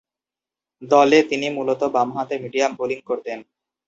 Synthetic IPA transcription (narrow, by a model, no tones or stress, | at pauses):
d̪ɔlet̪inimulot̪obamɦat̪emiɖiamoliŋkoɾt̪en